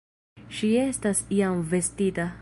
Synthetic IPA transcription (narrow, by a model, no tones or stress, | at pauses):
ʃie̞stasiamve̞stita